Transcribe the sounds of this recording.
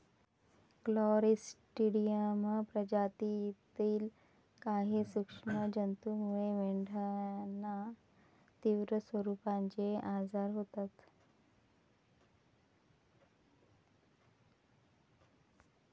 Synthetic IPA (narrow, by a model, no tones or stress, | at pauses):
klɔɾisʈiɽijəməpɾəd͡ʑat̪it̪iːl | kaɦiːsukʂɳəd͡ʑənt̪umueʋeɳɖʱaanːa | t̪iːʋɾəsʋəɾupãɲt͡ɕeʔad͡zaɾɦot̪at̪